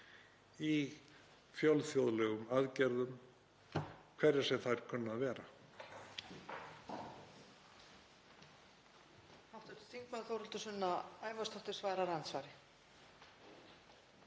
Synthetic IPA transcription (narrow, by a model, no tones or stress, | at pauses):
i | fjɔlθjowðlɛːɣʏmaðcɛɾðʏm | kʰv̥ɛɾːɪ̥sɛmθaɾ̥kʰœnːaðvɛːɾa | hawht̪ʏ̥t̪θiŋkmaðθowɾʏlt̪ʏsʏnːaaːjvast̪ʰaht̪ɪɾ̥svaːɾaɾant̪svaːɾɪ